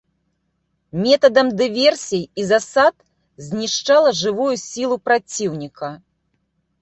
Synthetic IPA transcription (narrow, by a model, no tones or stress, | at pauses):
mʲɛt̪ɐd̪ɐmd̪ɨvʲɛrsʲijizasat̪̚ | zʲnʲiʂt͡ʂalˠɐʐɨvujusʲilˠupɾat͡sʲiwnʲikʰɐ